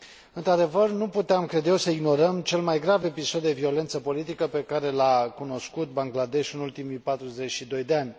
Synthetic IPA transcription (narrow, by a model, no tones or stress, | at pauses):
ɨnt̪ɾad̪e̞vərnuput̪eamkɾed̪jewsəiɡno̞ɾəmt͡ʃe̞lmajɡɾave̞piso̞d̪d̪e̞vio̞le̞nt̪səpo̞lit̪ikəpe̞kaɾe̞lakuno̞skut̪̚baŋɡlad̪e̞ʃɨnult̪imijpat̪ɾuze̞t͡ʃʲʃid̪o̞jd̪e̞anʲ